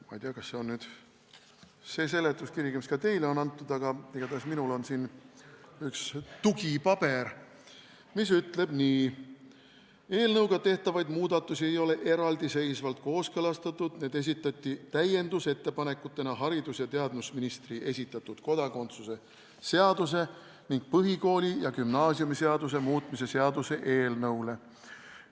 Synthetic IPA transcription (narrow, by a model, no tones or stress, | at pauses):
mɑ̰jt̪iɑkɑsːeo̞nnyːd̪̥ | se̞ːse̞let̪ːˑuskiɾɡ̥imiskɑt̪e̞jleo̞nɑnt̪ːˑud̪̥ɑɡ̥ɑeɡ̥ɑt̪ɑsminulo̞nsin | ykst̪uɡ̥ipɑb̥e̞ɾ | mis̬yt̪le̞b̥niː | e̞ːlnɤwɡ̥ɑt̪e̞ht̪ɑvɑjd̪muːd̪ɑt̪ːˑusie̞jo̞le̞ʔe̞ɾɑld̪ise̞jsvɑlt̪̚ko̞ːskɤlɑst̪ɑt̪ːˑud̪̥ne̞ːd̪e̞s̬ʲit̪ːˑɑt̪ʲˑːit̪æje̞nd̪̥use̞t̪ːe̞pɑne̞kut̪ːˑe̞nɑɦɑɾid̪usjɑt̪eɑd̪nusminist̪riʔe̞sʲit̪ːˑɑt̪ːˑud̪̥ko̞d̪̥ɑko̞nt̪suse̞ | se̞ɑd̪̥us̬e̞ | niŋɡ̥̚pɤɦiko̞ːlʲijɑkymnɑːsiumise̞ɑd̪us̬e̞muːt̪ˑmise̞se̞ɑd̪use̞ʔe̞ːlnɤwle̞